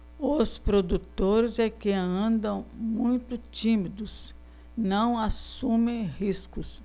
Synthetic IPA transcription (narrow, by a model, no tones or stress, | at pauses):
ʊspɾod̪ut̪oɾɪzɛkɪɐ̃nd̪ɐ̃w̃mũj̃t̪ʊt͡ʃĩmid̪ʊs | nɐ̃w̃asũmẽj̃hiskʊs